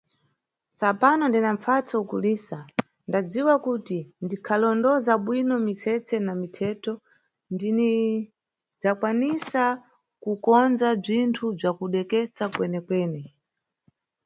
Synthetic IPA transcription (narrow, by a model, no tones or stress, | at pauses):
sapanɔndinaɱfat͡sɔukuliːsa | ndad͡ziwakutindikʰalɔndɔzaɓwinɔmisɛt͡sʰɛnamitʰɛtɔ | ndini | d͡zakwanisa | kukɔnd͡zab͡ʐintʰub͡ʐakuɗɛkɛt͡sakwɛnɛkwɛːnɛ